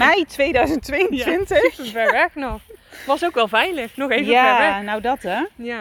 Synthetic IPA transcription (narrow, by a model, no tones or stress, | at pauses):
mɛjtʋejdœɥzəntʋɪjntʋɪntəxəvɛɹʋɛxnɔxʋɑsowkʋɛlˠvɛjləxnɔxejvjəaɛɹɛnawdɑtɛ